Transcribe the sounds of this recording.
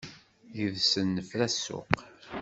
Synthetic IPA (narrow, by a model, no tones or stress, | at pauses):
jəðsənːəfɾæsʊ̰q